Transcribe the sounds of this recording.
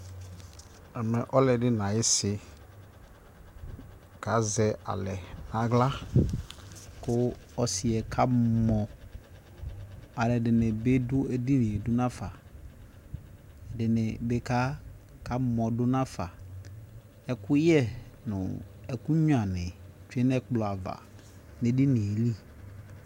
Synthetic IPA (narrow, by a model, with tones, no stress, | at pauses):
ɛ˨mɛ̃˨ʔɔ˦lɛ˨dɪ˦nã˨jɪ˦sɪ˨ | kʰa˨˦zɛ˨a̰˨lɛ˨nã˨ɡla˦ | kʊ˦ɔ˨sɪ˨ɛ˨kʰa˦mɔ̃˨ | a˨lɛ˨dɪ˨nɪ̃˨be˦dʊ˦ɛ˨di˦nɪ̃˨dʊ˦nã˦fa˨ | ɛ˨dɪ˨nɪ˨be˨˦ka˦ | kʰa˦mɔ̃˨dʊ˦nã˦fa˨ | ɛ˦˨kʰʊ˦jɛ˦˨nʊ̰̃˨ | ɛ˨kʊ˦ɲ˦˨ã˨nɪ̃˨t͡ʃu˨˦ɛ˦nɛ˦k͡plɔ˨a˨va̰˨ | ne˨di˦nɪ̃˨e˨li˦